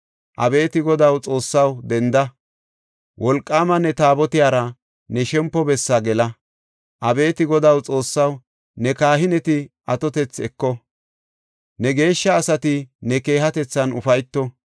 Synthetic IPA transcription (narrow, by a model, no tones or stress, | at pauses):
ʔɐ̰be̞ːt̪ɪɡɔd̪ɐwt͡sʼo̞ːsːɐwd̪ɛnd̪ɐ | wʔɔlkʼːaːmɐnɛt̪aːbɔt̪ɪjaːɾɐ | nɛʃɛmpːɔbɛsːɐɡɛlɐ | ʔɐbe̞ːt̪ɪɡɔd̪ɐwt͡sʼo̞ːsːɐw | nɛkaːɦɪnɛt̪ɪ | ɐt̪ɔt̪ɛt͡sɛkːɔ | nɛɡe̞ːʃːɐːsɐt̪ɪnɛke̞ːɦɐt̪ɛt͡sːɐnʊ̰fɐjt̪ːɔ